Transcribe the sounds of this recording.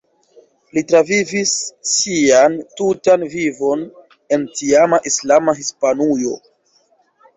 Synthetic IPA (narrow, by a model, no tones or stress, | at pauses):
litɾavivisːiantutanvivo̞n | e̞ntiamaʔislamaɦispanujo̞